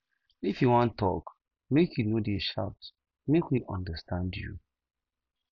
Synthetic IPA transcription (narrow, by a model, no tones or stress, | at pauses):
ifjuwɔ̃ntʰːɔ̰k | mekjunodiʃa̰ʊt | mekwiʔɔ̰̃ndəstãndjṵ